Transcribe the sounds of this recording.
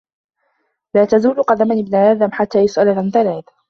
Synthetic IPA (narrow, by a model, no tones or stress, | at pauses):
laːt̪azuːlqɑd̪amanɪbnaʔaːðamħat̪ːaːjʊsʔalaanθalaːθ